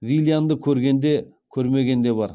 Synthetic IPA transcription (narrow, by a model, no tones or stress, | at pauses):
vilʲˠjand̪əkʲʰɵɾɡʲe̞nd̪e̞kʲʰɵɾme̞ɡʲe̞nd̪e̞bɑɾ